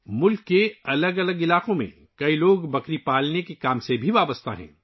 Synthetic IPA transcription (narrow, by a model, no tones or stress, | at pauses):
mʊlkːeɐləɡɐləɡɪlaːqõmḛ̃ | kɐiloːɡbɐkɾipaːlnekekaːmsebʱiʋaːbəst̪a̰ɦɛ̰̃ː